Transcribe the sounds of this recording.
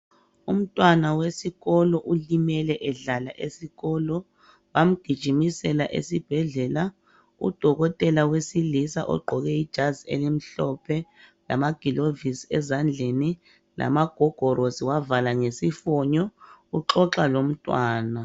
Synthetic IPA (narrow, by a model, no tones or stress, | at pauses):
um̩tʼwanawesiɣɔlɔʔulimɛlɛʔɛɮalaʔesiɣɔlɔ | wam̩ɡ̥ʱid̥ʒ̥ʱimisɛlaʔḛsib̥ʱɛɮɛla | ṵd̥ʱɔɣɔtʼɛlawesilisa̰ʔɔ̰ɡ͡ǃʱɔɣɛid̥ʒ̥ʱaziḛlim̩ɬɔpʰɛla̰maɡ̥ʱilovisɛ̰zand͡ɮʱeni | lʔa̰maɡ̥ʱɔɡ̥ʱɔɾosiwavalaŋesifɔɲɔuǁɔǁalom̩tʼwaːna